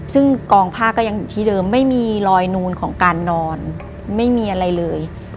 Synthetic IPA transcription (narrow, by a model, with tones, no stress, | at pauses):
sɯ˥˩ŋkɔː˧ŋpʰaː˥˩k̚ːɔː˥˩ja˧ŋjuː˨˩t̪ʰiː˥˩dɤː˧mːa˥˩jmiː˧lɔː˧jnuː˧nkʰɔː˩˦ŋkaː˧nːɔː˧n | ma˥˩jmiː˧ʔa˧ɾa˧jlɤː˧j